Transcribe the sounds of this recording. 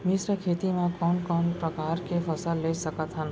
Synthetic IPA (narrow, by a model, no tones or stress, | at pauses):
mɪsɾəkʰeːt̪imẽkɔːnkɔːnpɾəkaːɾkepʰəsəlːesəkət̪ɦən